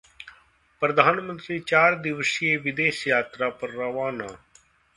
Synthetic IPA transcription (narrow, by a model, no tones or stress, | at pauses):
pɾəd̪ʱaːnmə̃nt̪ɾiːt͡ʃaːɾd̪ɪʋəsijeːʋɪd̪eːʃjaːt̪ɾaːpɐɾːɐʋaːnaː